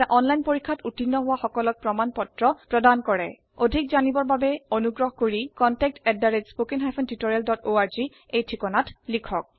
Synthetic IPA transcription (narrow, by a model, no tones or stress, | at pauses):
aʔɔnlajnpoɹikʰːatutinːɔɦʊwaxɔkɔlɔk̚pɹɔmanpɔtɹɔpɹɔdankɔɹɛ | odʱik̚zanibɔɹbabɛonuɡɹɔɦɔkoɹikɔntɛk̚tɛdːaɹed͡ʒspokiŋɦajpʰɔntitoɹialdɔtoaɹzi | ejtʰikɔnatlikʰɔk̚